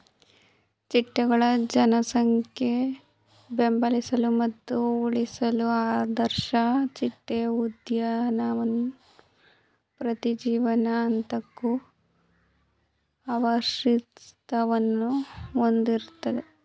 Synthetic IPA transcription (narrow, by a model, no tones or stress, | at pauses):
t͡ʃiʈːɛɡɐɭɐd͡ʒɐnɐsɐŋkʰe | bembɐlisɐlumɐt̪ːuuɭisɐluaːd̪ɐɾʃɐt͡ʃiʈːeud̪jɐnɐʋɐnːu | pɾɐt̪id͡ʒiːʋɐnɐːnt̪ɐkːu | aːʋɐʃit̪ɐʋɐnːuond̪iɾut̪ːɐd̪e